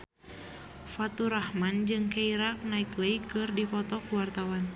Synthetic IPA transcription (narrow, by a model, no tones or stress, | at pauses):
fat̪uɾahmand͡ʒɨŋkaiɾak̚naikləjkɨrdipɔt̪ɔkuwart̪awan